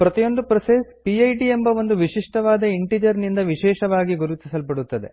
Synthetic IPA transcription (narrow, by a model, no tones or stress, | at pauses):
pɾɐt̪ijo̞nd̪upɾɐsespiɐjʈiembɐʋo̞nd̪uʋiʂiʂʈɐʋaːd̪ɐiɳʈid͡ʒɐɾnind̪ɐʋiʃɛːʃɐʋaːɡiɡuɾut̪isɐlpɐɽut̪ːɐd̪e̞̰